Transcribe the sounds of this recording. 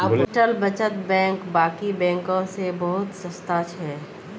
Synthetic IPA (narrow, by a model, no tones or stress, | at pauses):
ɐbʈəlbɐt͡ʃət̪bɛ̃ːŋkbaːkibɛ̃ːŋkõsebɐɦʊt̪sɐst̪aːt͡ʃʰɦɛː